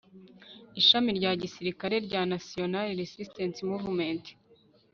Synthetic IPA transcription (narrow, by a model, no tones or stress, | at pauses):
iʃamiɾɟaːɟisiɾikaɾe̞ɾɟaːnasio̞naliɾesistensimuvumente̥